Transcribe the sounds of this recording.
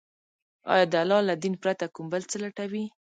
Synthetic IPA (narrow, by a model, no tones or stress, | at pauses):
ɑ̰jɑd̪əalɑlad̪inpɾat̪akumbəlt͡səlaʈawi